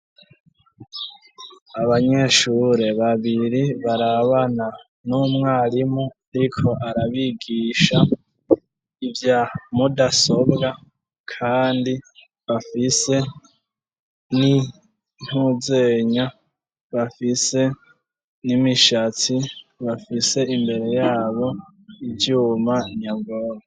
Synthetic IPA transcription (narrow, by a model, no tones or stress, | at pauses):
aβaɲe̞ʃuɾe̞βaβiɾiβaɾaβana | numŋaːɾimoaɾikʰo̞ʔaɾaβiɡiːʃa | ivjamudaso̞bɡa | kʰaːndi | βafise̞ | ni | n̥huzeɲa | βafise̞ | nimiʃat͡siβafise̞imbe̞ɾe̞jaːβo̞ | iɟuːmaɲabɡoːɾa